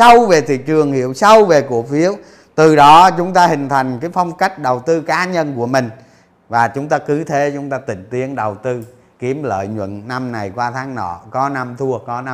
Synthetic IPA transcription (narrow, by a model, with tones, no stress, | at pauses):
sa˧wve˨˩t̪ʰḭ˧˨t͡ɕɨ˨˩əŋhḭ˧˨əwsa˧wve˨˩ku˨˩ək̚fi˨˦əw | t̪ɨ˨˩ɗɔ˨˦t͡ɕʊ˨˦ŋ͡mt̪aː˧hï˨˩ŋ̟t̪ʰa˨˩jŋ̟kaː˨˦jfa˧wŋ͡mka˦˥jk̟̚ɗə˨˩wt̪ɨ˧kaː˨˦ɲə˧nku˧˩əmï˨˩ŋ̟ | vaː˨˩t͡ɕʊ˨˦ŋ͡mt̪aː˧kɨ˨˦t̪ʰe˨˦t͡ɕʊ˨˦ŋ͡mt̪aː˧t̪ï˧˨ŋ̟t̪i˨˦ənɗə˨˩wt̪ɨ˧ | ki˨˦əmlə̰ː˧˨jɲwə̰˧˨nna˧mna˨˩jkwaː˧t̪ʰaː˨˦ŋnɔ̰˧˩kɔ˨˦na˧mt̪ʰu˧əkɔ˨˦na˧